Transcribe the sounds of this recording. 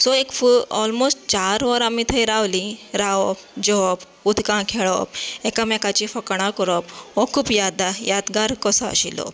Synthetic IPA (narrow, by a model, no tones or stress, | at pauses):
sɔekfuɔlmosʈt͡ɕaɾʋəɾamit̪ʰəjɾawliɾaʋɔpd͡ʑɔp | ud̪ʱkãkʰeɭɔ̰p̚ɛkamɛkat͡ɕifəkɽ̃akɔɾɔpɔkʰuːpjad̪ajat̪ɡaɾkɔsəə̰ɕḭlɔ̰